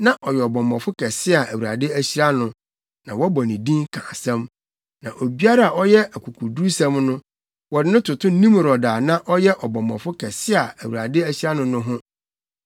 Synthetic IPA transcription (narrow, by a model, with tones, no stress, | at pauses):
nã˦ʔɔ˨jɛ˨ɔ˨bɔ̃˨mɔ̃˨fʊ˦kʰɛ˨sɪ˦a˨ʔæ˨wu˨a̰˨dɪ˦æ˦ɕi˦ɾa˦nʊ̃˨ | nã˨wɔ˦bɔ˨nĩ˨dĩ˦ŋkʰã̰ː˨sɛ̃˦m | nã˨ʔo˨bi˦a˦ɾa˦˨a˨ɔ˦jɛ˦æ˨kʰu˨kʰu˨du˦sɛ̃˦mnʊ̃˦ | wɔ˨dɪ˦nʊ̃˦tʰʊ˨tʰʊ̃˦nĩ˦m˨ɾɔ˨daː˨nã˦ʔɔ˦jɛ˦ʔɔ˨bɔ̃˨mɔ̰̃˨fʊ˦kʰɛ˨sɪ˦a˨æ˨wu˨a̰˨dɪ˦æ˦ɕi˦ɾa˦nʊ̃˦nʊ̃˦ɦʊ̃˦